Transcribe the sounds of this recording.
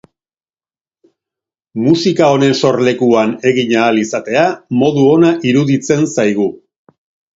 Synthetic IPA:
musikao̞ne̞nso̞ɾle̞kuane̞ɣiɲaːlisat̪e̞amo̞ðuo̞naʔiɾuðit͡se̞nsajɣ̞u

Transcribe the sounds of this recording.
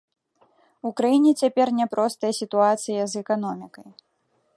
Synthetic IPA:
ukɾajinʲɛt͡sʲapʲɛrnʲɛpɾʔɔst̪ɐjɐsʲit̪uat̪sɨjɐzɛkan̪ɔmʲikɐj

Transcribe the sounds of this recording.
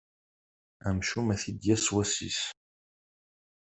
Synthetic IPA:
æmʃumæθid̪jæswæsḭs

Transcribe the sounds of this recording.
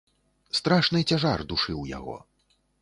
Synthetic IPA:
st̪ɾaʂnɨt͡sʲaʐard̪uʂɨwja̰ɣɔ̰

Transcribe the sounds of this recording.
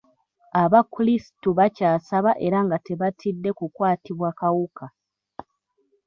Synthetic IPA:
aβakulisi̥tuβacaːsaβaʔe̞ɾaŋɡate̞βatʰidːe̞kukwaːtiβwakawukʰa

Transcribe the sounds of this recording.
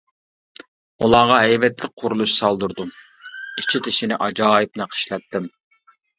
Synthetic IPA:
ulˠɑʁɑɦɛjvɛt̪lɪk̚ʲqʰʊɾulˠuʃsɑlˠd̪uɾd̪u | it͡ʃʰit̪ʰɪʃinɪʔɑd͡ʒɑːip̚nɪqʰə̥ʃlɛt̪ːɪm

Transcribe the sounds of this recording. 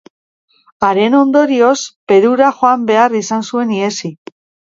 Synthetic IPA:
aɾe̞no̞nd̪o̞ɾio̞spe̞ðuɾaxoambe̞arisansue̞nie̞si

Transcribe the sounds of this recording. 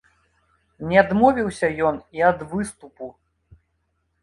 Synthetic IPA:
nʲɛad̪mɔvʲiwsʲɐjɔniɐd̪vɨst̪upu

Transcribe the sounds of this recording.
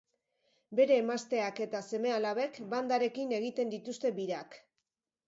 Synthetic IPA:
be̞ɾe̞ːmast̪e̞ake̞t̪ase̞me̞alaβe̞kband̪aɾe̞kine̞ɣ̞it̪e̞nd̪it̪ust̪e̞biɾak

